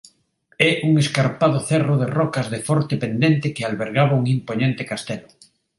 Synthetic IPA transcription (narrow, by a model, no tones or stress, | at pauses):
ɛʔuŋeskaɾpaðʊθɛroð̞erɔkazðefɔɾt̪epend̪ent̪ekealβeɾɣaβauŋimpoɲẽnt̪ekast̪elo